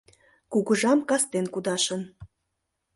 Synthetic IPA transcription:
kuɣəʒɑmkɑst̪enkud̪ɑʃən

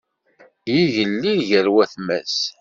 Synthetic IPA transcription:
jiʝəlːiðʝəɾwæθmæ̰s

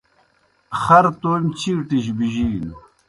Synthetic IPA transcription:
χɐɾt̪omt͡ɕʰiːʈiɕ̬biʑiːn

